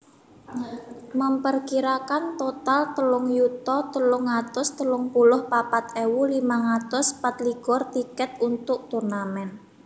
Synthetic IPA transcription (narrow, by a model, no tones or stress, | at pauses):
məmpərkiɾakant̪ot̪alt̪əlʊŋjut̪ɔt̪əlʊŋːat̪ʊst̪əlʊŋpulʊhpapat̪̚ewulimaŋat̪ʊspat̪liɡɔrt̪ikɛt̪̚unt̪ʊk̚t̪urnamɛn